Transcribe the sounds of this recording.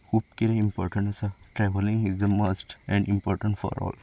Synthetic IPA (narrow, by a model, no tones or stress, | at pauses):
hup̚kiɾeĩmpɔːɾʈə̃ɳʈsəʈɾɛʋəlɪ̃ŋɪzd̪əmosʈɛ̃ɳɖĩmpɔːɾʈə̃ɳʈfɔ̰ɾɔ̰ːl